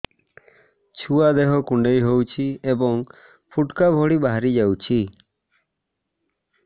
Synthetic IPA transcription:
t͡ʃʰuad̪eɦɔkuɳɖejɦowt͡ʃʰiebɔŋ | pʰuʈkabʱɔɽibaɦaɾid͡ʒawt͡ʃʰi

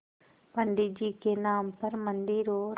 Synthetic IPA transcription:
pəɳɖid͡ʒiːkenaːmpɐɾmɐnd̪iɾoːɾ

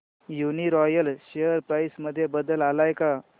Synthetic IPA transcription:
juniɾɔjəlɕejəɾpɾajsməd̪ʱːjebəd̪əlalajka

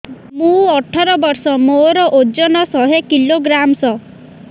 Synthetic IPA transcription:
mũɔʈʰɔɾɔbɔɾsɔmoɾɔʔod͡ʒɔnɔsɔɦekiloɡɾamsɔ

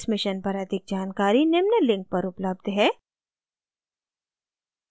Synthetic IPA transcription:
smɪʃənpɐɾɐd̪ɪk̚d͡ʒaːnkaːɾinɪmnəlɪ̃ŋk̚pɐɾʊpləbd̪ɦɛː

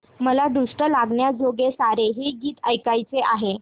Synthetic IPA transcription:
məlad̪uʂʈəlaɡɳjad͡zoɡesaɾeɦeɡiːt̪əjkajt͡seʔaɦe

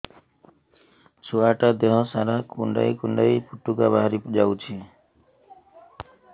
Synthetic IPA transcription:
t͡ʃʰuaʈad̪eɦɔsaɾakuɳɖa̰jkuɳɖajpuʈukabaɦɾipd͡ʒawt͡ʃʰi

